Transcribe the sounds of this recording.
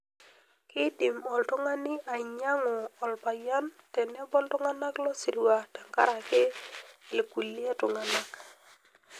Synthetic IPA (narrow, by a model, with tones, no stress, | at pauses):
kɪ˦dɪ˨mɔ˨ltʊ˦ŋa˦nɪ˦ʔa˨ɪ˨ɲa˦ŋʊ˨ɔ˨lpa˨ja˦n | tɛ˨nɛ˦bɔ˦ltʊ˦ŋa˦na˦klɔ˦si˨ɾwa˨ta˨ŋka̰˦ɾa˨ke˦ɪ˨ku˨li˦e˦tʊ˨ŋa˨na˦k